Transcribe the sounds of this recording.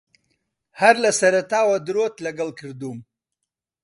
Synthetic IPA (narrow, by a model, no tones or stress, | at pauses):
haɾlasɐɾat̪aːwɐd̪ɾot̪lɐɡɐlkʰɨɾd̪uːm